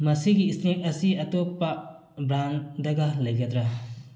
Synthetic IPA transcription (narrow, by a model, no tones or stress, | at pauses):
mɐsiɡiːsnik̚ɐsiɐtopːa | bɾaŋdɐɡalɐjɡad̪ɾa